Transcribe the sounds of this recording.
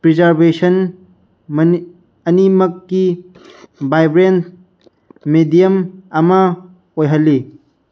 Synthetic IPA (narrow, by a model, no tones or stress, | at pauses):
pɾizɐɾbesɐn | m | ɐnimɐkːi | bajbɾen | medijɐmɐmɐ | ojɦɐlːi